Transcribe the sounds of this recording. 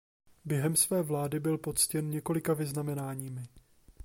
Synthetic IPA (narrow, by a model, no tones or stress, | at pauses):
bjɛɦɛmsvɛːvlaːdɪbɪlpo̞tt͡scɛnɲɛko̞lɪkavɪznamɛnaːɲiːmɪ